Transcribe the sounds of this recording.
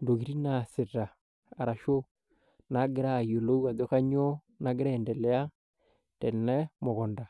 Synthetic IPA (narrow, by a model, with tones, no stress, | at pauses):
ndo˨ɣi˨ɾi˦na˨se˨ɾa˨ | a˨ɾa˨ʃo˦ | na˨˦ɡe˦ɾa˦˨jo˨lo˦u˦wa˨dɔ˦ka˦ɲo˦ | na˦ɡe˦ɾa˦ɛ˨ndɛ˨lɛ˦a˦ | dɛ˨nɛ˦mo˨ɣɔ˨nda˨